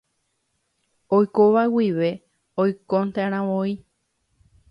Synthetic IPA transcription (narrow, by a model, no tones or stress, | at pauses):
ojkoʋawiʋe̞ | ojkont̪ãɾ̃ãʋoi